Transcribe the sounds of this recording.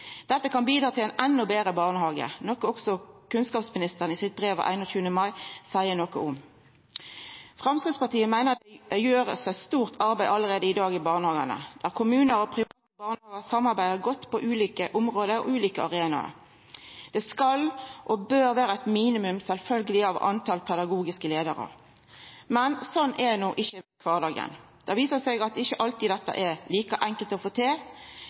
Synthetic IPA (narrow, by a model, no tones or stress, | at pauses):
d̪̥ɛt̪ːəkʰɑnbiːd̪ɾɑːt̪ʰɪlɛnʔɛnːʊbeːʁəbɑʁnəhɑːɡə̰nɔkːɔɔksɔkʰʉnskɑːpsmɪnɪst̪əʁənɪsɪt̪̚bʁeːʋ̰ʔæ̰ɪnɔçʉːənəmɑɪsæɪənɔkəʊm | fʁɑmskɪt̪spɑʁt̪ʰiːəmæɪnəʁd̪ɛjøːʁə̰sæɪst̪uːʁt̪ʰɑʁbæɪʔɑləʁeːd̪əɪd̪ɑːɡɪbɑːʁnəhɑːɡənə̰d̪̥æʁkʰʊmʉːnəɾɔpʰʁɪɑːt̪əbɑːʁnəhɑːɡəsɑmːɑʁbæɪd̪əɡɔt̪ːpʰɔʔʉːliːkəʔʊmʁoːd̪əɾɔ̰ʉːliːkəɑʁeːnɑ̰ | d̪̥ɛskɑlʔɔbøːʁʋæːɾəæt̪miːnɪmʉmsɛlfœlɡəlɪɑʋɑ̰nt̪ʰɑlpʰɛd̪ɑɡuːɡɪskəleːd̪əɾə̰ | mɛnsɔnːʔɛnuːʔɪçːəkʰʋɑːʁd̪ɑːɡə̰n | d̪̥ɑʋiːsəsɛɡɑt̪ɪçəʔɑlt̪id̪ɛt̪ːə̰ʔɛʁliːkəʔæŋkəlt̪ɔfoːt̪ʰeː